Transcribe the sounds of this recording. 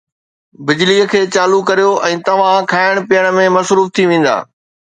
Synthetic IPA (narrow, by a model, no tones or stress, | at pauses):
bɪd͡ʑliːə̆kʰeːt͡ɕaːlukɐɾijoʔɛ̃ːt̪ɐʋ̤ãkʰaːɪɽ̃pijəɽ̃ə̆mẽmɐsɾuːft̪ʰiʋẽːn̆d̪a̰ː